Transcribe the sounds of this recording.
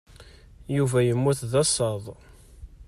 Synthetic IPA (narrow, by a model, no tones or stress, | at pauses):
juvæjəmːuθðɑsˤɑðˤ